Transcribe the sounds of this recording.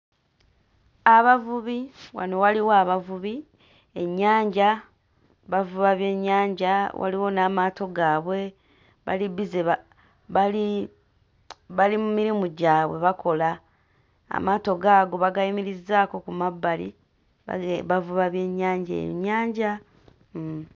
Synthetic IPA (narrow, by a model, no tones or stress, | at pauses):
aβavuβiwa̰no̞waliwaβavuβi | e̞ɲːaːɲɟa | βavuβaβje̞ɲːaːɲɟawʔa̰liwo̞namaːto̞ɡaːβwe̞ | βa̰liβizeβa | βali | βalimumiɾimuɟaːβwe̞̰βako̞la̰ː | maːto̞ɡaːɡo̞βaɡajimiɾizːaːko̞kumabːalḭ | βavuβaβje̞ːɲːaːɲɟḛjo̰ɲːaːɲɟa